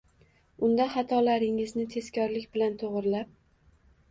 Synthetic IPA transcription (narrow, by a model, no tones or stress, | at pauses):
ʊnd̪aχɑt̪ʰɒlaɾɪŋɪznɪt̪ʰe̞skʲʰɒɾlɪkʲbɪlant̪ʰoʁɾlap̚